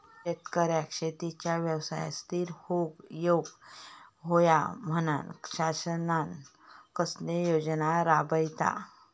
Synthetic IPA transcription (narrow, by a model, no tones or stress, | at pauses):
et̪kəɾjakʂet̪it͡ɕjaʋjəwsa̰ja̰st̪ʰiːɾhoɡjoɡ | ɦoja̰m̤əna̰nɕasənan | kəsnejod͡ʑnaɾabəjt̪a̰